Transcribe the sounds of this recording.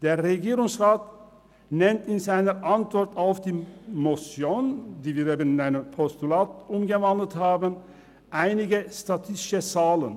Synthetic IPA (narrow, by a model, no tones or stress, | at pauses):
d̥eːɐʁeɡiːʁʊŋsʁaːt | nɛntɪnzaɪnəʔantv̥ɔʁtaʊfd̥iːmosjoːndiːviːɾeːbənɪnaɪnəmpʰɔstulaːtʔʊmɡəvandəl̩thaːbən | ʔaɪnɪɡəstatʰɪstɪʃət͡saːlə̰n